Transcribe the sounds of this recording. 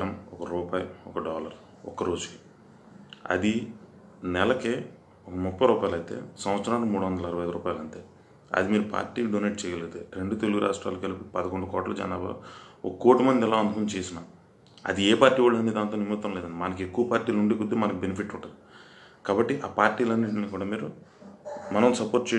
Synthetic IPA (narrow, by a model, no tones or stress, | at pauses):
ɾɐmɔkɐɾuːpaːjiɔkɐɖɔːlɐɾ | ɔ̰kːɐɾo̞ːd͡ʒuki̥ | ɐ̰d̪i | nɛlɐkeː | ɔkɐmupːɐjɾuːpaːjlɐjt̪e̞̰ːsɐm̃ʋɐt̪sɐɾaːlomuːɽuʋɐnd̪ɐlɐɾɐʋɐjɐd̪ɾṵːpaːjlɐnt̪eː | ɐ̰d̪imiːɾupa̰ːɾʈiːɖoneːʈ̚t͡ʃɛːjɐleːt̪eɾe̞ɳɖut̪eluɡuɾʔa̰ːʂʈɾa̰ːlokɐlipipɐd̪ɐkoɳɖukɔːʈlɐd͡ʒɐ̰naːba̰okɐːoːʈːumɐnd̪ɛlaːund̪ukunt͡ʃeːsinaː | ɐ̰d̪iɛːpaːɾʈiːʋaːɭɐnd̪id̪aːnt̪oːnimɐt̪ːɐmlɛːd̪ɐɳɖimɐnɐk̬ekːuʋɐpaːɾʈiːluɳɖeːkud̪ːeːmɐnɐkubenipʰiʈːuɳʈɐnd̪i | kaːbɐʈːiʔaːpaːɾʈːiːlɐnːiʈiniːkuːɽaːmiːɾu | mɐnɐmsɐpoːɾʈ̚t͡ʃe